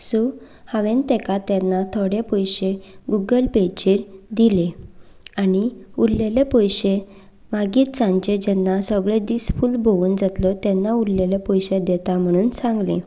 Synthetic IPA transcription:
su | haʋẽnt̪ɛkat̪jɛnːat̪ʰoɽepɔjɕeɡuɡəlpet͡ɕiɾd̪ile | aɽiuɽlelepɔjɕe | maɡiːt̪t͡sãɲt͡ɕed͡ʑɛnːasəɡɭed̪isfuːlbʱouːnd͡zat̪lɔt̪ɛnːauɽlelepɔjɕed̪ɛt̪am̤əɽ̃uːnsãŋɡlḛ̃

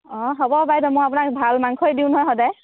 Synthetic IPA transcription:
ɔ̃ɦɔbɔbajdɔmʊ̃ap̬ʊnak̚bʱalmaŋkʰojdiʊ̃nɦɔjɦɔdaj

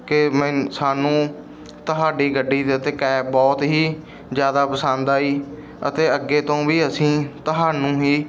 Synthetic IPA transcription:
kɪmɛ̃saːnũː | t̪əɦaːɖiːɡəɖːiːt̪eət̪eːkɛːbɔːt̪ɦiː | zjaːd̪aːpəsãːnd̪aːiː | ə̰t̪eːəɡːeːt̪õːʋiːəsĩːt̪əɦaːnũːɦiː

